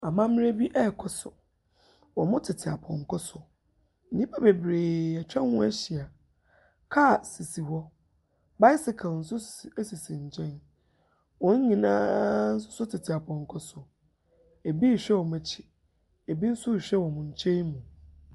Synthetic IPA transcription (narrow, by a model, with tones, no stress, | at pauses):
a˨mã˦mɪ̃˦ɾe˦bi˦ʔɛ˦˨kʰɔ˦sʊ˨ | wɔ˨mʊ̃˦tʰɪ˨tʰɪ˨a˨pʰɔ̰̃˨ŋ˨kʰɔ˦sʊ˨ | n̩˨nĩ˦pʰa˦be˨bɾeː˨ɛ˨t͡ɕᶣɛ̃˦hʊ̃˦ɛ˦ɕi˨a˨ | kʰa˦˨si˨si˨wɔ˦ | ba˦jsɪ˨kʰa˨ln̩˨sʊ˦si˨sĩ˨ɲ˨t͡ɕʰɛ̃˦n | wɔ̃˦ɲ̩˦ɲĩ˨nã˦n̩˦sʊ˦sʊ˦tʰɪ˨tʰɪ˨a˨pʰɔ̃˨ŋ˨kʰɔ˦sʊ˨ | e˨bi˦˨ɕᶣɛ˦wɔ˨m˨ɛ˨t͡ɕʰi̥˦ | e˨bi˦n̩˦sʊ˦˨ɕᶣɛ˦wɔ˨mʊ̃˨ɲ̩˨t͡ɕʰẽ˦mũ˨